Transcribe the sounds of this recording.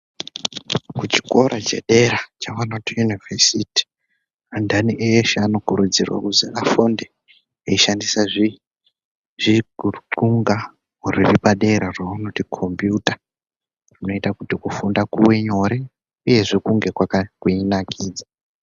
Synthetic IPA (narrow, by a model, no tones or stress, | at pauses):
kut͡ʃi̥ko̞ɾat͡ʃḛɗe̞ɾat͡ʃaʋanotijunivesiti̥ | andaniʔejeʃeano̞kuɾud͡zirwa̰kuzeʔafonde | eiʃandisaʐi | ʐ̥iuǃuŋɡa | uriripaɗe̞ɾarwawano̞tikʰo̞mbjuta | rino̞itakutikufundakuwe̞ɲo̞ɾe̞ | uje̞ʐekuŋɡe̞kwakakuinakʰiːd͡za